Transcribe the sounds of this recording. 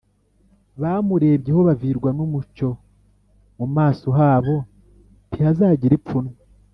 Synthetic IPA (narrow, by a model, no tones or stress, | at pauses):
βaːmuɾe̞ːbɟeho̞βaviɾɡwanumut͡ʃo̞ | mumaːsoɦaːβo̞ | tihazaːɟiɾip͡funwa